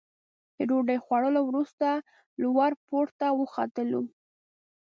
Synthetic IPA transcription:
d̪̥əɖoɖəjxwaɽəlowɾust̪a | lwaɾpoɾt̪awəxa̰t̪əlu

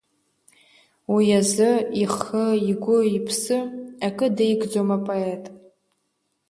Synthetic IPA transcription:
wijazɨiχɨiɡʷʊipʰsɨakʼɨdejɡd͡zomapʼoetʼ

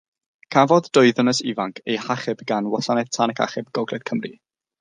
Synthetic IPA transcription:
kʰavɔðdʊɨðənəsivaŋkʰejhaχɪbɡanwasanɛð̥tʰanɛkʰa̰χɪbɡɔɡlɛd̥kʰəmri

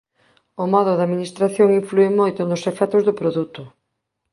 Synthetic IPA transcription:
omɔðʊðaminist̪ɾaθjoŋiɱfluemojt̪ʊnʊsefɛt̪ʊzðʊpɾoðut̪ʊ

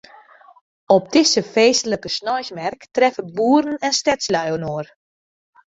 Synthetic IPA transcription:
ɔp̚dɪsəfeːstələkəsnɔjsmɛrktrɛfəbuːəɾən̩ɛnstɛslœɥwənoər

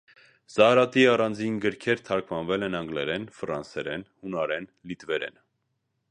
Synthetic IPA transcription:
z̥ɑɾɑt̪iɑrɑnd͡zinɡəɾkʰɛɾt̪ʰɑɾkʰvɑnvɛlɛnɑŋɡlɛɾɛnfɾɑnsɛɾɛnhunɑɾɛnlit̪vɛɾɛ̰n

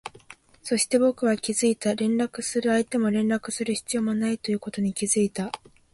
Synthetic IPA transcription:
so̞ɕi̥t̪e̞bo̞kɯ̟β̞akʲizɨit̪aɾẽ̞nɾakɯ̟sɨɾɯ̟ait̪e̞mo̞ɾẽ̞nɾakɯ̟̥sɨɾɯ̟çi̥t͡sɨijo̞ːmonait̪o̞jɯ̟ːko̞t̪o̞ɲ̟ikʲizɨit̪a

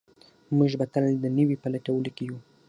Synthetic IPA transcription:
muʒbat̪ald̪ənəwipalaʈawəlokeju

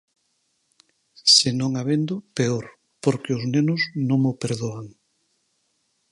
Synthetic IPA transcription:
senõŋaβend̪ʊpeoɾ | poɾkeʊznenʊznõŋmopeɾðoaŋ

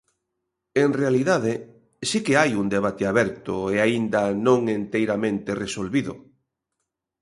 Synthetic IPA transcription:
eŋrealiðað̞e | sikeajund̪eβ̞at̪eaβɛɾt̪ʊeaind̪anõŋent̪ejɾamẽnt̪eresolβiðʊ̰

